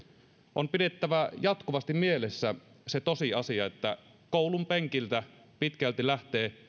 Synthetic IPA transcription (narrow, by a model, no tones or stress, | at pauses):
ʔompide̞t̪ːæʋæjɑt̪kuʋɑst̪immielesːæ | set̪osiɑsiɑet̪ːæ̰ | koulumpeŋkilt̪æ | pit̪kælt̪ilæht̪eː